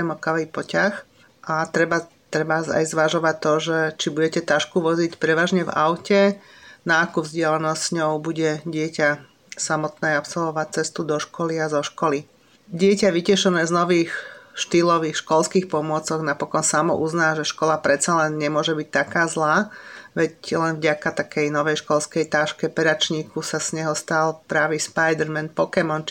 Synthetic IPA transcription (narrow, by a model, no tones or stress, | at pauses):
mɔkaʋipɔcax | ʔat̪ɾɛba | t̪ɾɛbaa̰jzʋaʒɔʋac̚t̪ɔʒɛt͡ʃibuɟɛcɛt̪aʃkuʋɔzicpɾɛʋaːʒɲɛva̰ʊcɛ | naːkuvzɟɪalɛnɔssɲɔʊbuɟɛɟɪɛca | samɔt̪nɛːapsɔlʋɔʋac̚t͡sɛst̪ud̪ɔʃkɔliazɔʃkɔli | ɟɪɛcaʋicɛʃɔnɛːznɔʋiːxʃt̪ilɔʋiːxʃkɔlskiːxpɔmʊɔt͡sɔɣnapɔkɔnsamɔ̰ʔuznaːʒɛʃkɔlapɾɛt̪t͡salɛnɲɛmʊɔʒɛbic̚t̪akaːzlaːʋɛclɛnvɟakat̪akʰɛjnɔʋɛjʃkɔlskɛjt̪aːʃkɛpɛɾat͡ʃɲiːkusasɲɛɦɔst̪alpɾaːʋispajd̪ɛɾmɛnpɔkɛmɔn